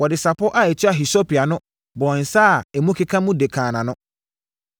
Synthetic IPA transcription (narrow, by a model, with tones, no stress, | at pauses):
wɔ˨dɪ˨sa˨pɔ˦ʔa˦ɛ˨t͡ɕʰɪ˦a˨ɦi˨so˦pʰi˨a˨nʊ̃˦ | bɔ˨n̩˨saː˦˨ɛ˨mũ˦kʰe˦kʰã˦mũ˦de˨kʰãː˨nã˨nʊ̃˦